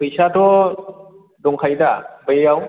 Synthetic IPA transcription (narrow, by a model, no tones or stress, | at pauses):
pɯjsadɔ | dɔŋkʰajdabajjaw